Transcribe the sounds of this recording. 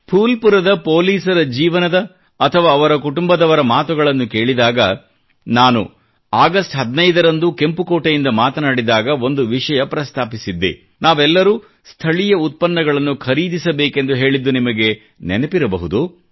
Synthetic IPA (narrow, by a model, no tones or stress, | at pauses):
pʰuːlpuɾɐd̪ɐpo̞ːliːsɐɾɐd͡ʒiːʋɐnɐd̪ɐː | t̪ʰɐʋaːʋɐɾɐkuʈumbɐd̪ɐʋɐɾɐmaːt̪uɡɐɭɐnːuke̞ːɭid̪aːɡɐ | naːnṵ | aːɡɐsʈɦɐd̪nɐjd̪ɐɾɐnd̪uke̞mpukoːʈɐjind̪ɐmaːt̪ɐnaːɽid̪aːɡɐo̞nd̪uʋiʂɐjɐpɾɐst̪ʰaːpisid̪ːḛ | naːʋɛlːɐɾuː | st̪ʰɐɭijɐut̪̚pɐnːɐɡɐɭɐnːukʰɐɾiːd̪isɐbeːke̞nd̪uɦe̞ːɭid̪ːunimɐɡe̞ | nɛnɐpiɾɐbɐɦud̪u